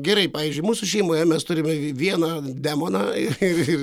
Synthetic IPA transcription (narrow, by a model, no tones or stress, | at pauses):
ɡʲɛɾɐɪpɑːʋʲiːzʲd͡ʒʲʊɪmuːsʊʃʲɛɪmoːjɛmʲɛst̪ʊɾʲɪmʲɛʋʲiɛnɑ | d̪ʲæːmoːnɑɪrɪɪr